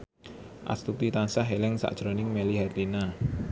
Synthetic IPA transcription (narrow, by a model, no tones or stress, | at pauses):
ʔa̰st̪ut̪it̪ansaɦelɪŋsa̰ʔd̥ʒ̥ɾonɪŋmeliɦɛrd̪ina